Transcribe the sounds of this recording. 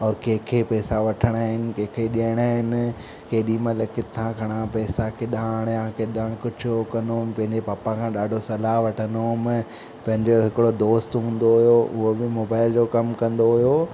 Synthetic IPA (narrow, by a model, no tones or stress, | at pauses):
ɔːɾkeːkʰepɛːsaʋɐʈʰəɽ̃aːɦɪnɪ̆keːkʰeɗiaːɪɽ̃aːɦɪnɪ̆ | keːɗimẽlɐkɪt̪ʰãkɐɽ̃ãpɛːsakɪɗãːɽ̃jãkeɗãkʊd͡ʑʱʊkɐnompɐ̃ɦɪ̃ɲd͡ʑepaːpãkʰãːɗaːɖʱosɐlaɦʋɐʈʰənomɪ | pɐ̃ɦɪ̃ɲd͡ʑoɦɪkɪɽod̪oːst̪ɦũːn̆d̪oɦʊjoʔʊ̰ɦobɪmoːbaːɪld͡ʑokɐmkɐ̃nd̪oɦʊjo